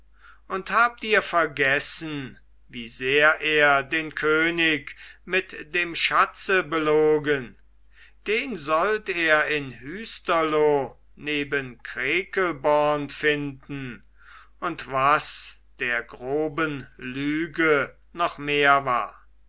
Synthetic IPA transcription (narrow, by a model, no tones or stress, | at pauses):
ʔʊnthaːp̚tiːɐfɛɐɡɛsn̩ | viːzeːɐʔeːɐdeːnkʰøːnɪkmɪtd̥eːmʃat͡səbəloːɡən | d̥eːnzɔlteːɐɪnhyːstɐlo | neːbənkʁ̥eːkəlbɔɐnfɪndn̩ | ʔʊntv̥as | d̥eːɐɡʁoːbənlyːɡə | nɔχmeːɐva̰ːɐ